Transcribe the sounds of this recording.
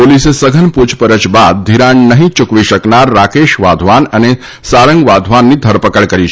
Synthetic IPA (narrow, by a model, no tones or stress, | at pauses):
polisesəɡʱənpud͡ʒpəɾət͡ʃbad̪̚ːʱiɾãɳnəɦĩt͡ʃʊkʋiʃəknaɾːakeʃʋad̪ʱʋanəne | saɾəŋɡʋad̪ʱʋanːid̪ʱəɾpəkəɭkəɾit͡ʃʰ